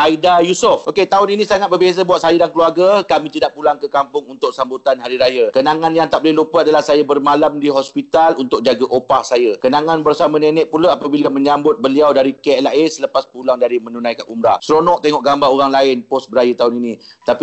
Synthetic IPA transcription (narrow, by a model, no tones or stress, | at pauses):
ʔaidajusʊfoket̪aʊninĩsaŋat̪̚bərbezabwat̪̚sajadankəluarɡakamĩt̪idaʔpulaŋkəkampʊŋunt̪ʊk̚sambut̪anɦaɾiɾajakənaŋanjaŋt̪aʔ̚bolɛhlupəadalahsajabərmalamdiɦɔspit̪alunt̪ʊk̚d͡ʒaɡaʔopahsajakənaŋanbərsamanenɛʔ̚pulaːpabilamə̃ɲambʊt̪̚bəliawdaɾikeɛlaesələpaspulaŋdaɾimə̃nunãjkaʔumɾasɾonɔʔ̚t̪eŋɔʔɡambaoɾaŋlaɪnpɔsbəɾajat̪aʊninit̪api